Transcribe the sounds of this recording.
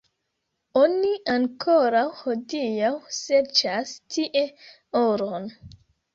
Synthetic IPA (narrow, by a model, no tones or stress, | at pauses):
oniʔaŋkʰoɾawhodijawseɾt͡ʃastʰiʔe̞ | oɾon